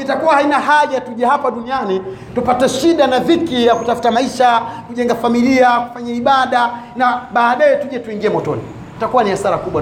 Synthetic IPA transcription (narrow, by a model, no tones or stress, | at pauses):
itakuwahainahaʄatuʄɛhapaɗunianitupataʃiɗanavikijakutafu̥tamaiʃakuʄɛŋɡafamiliaku̥faɲaiɓaɗanaɓaːɗajɛtuʄɛtuiŋɡiɛmɔtɔ̰ni | u̥takuwaniasaɾakuɓwa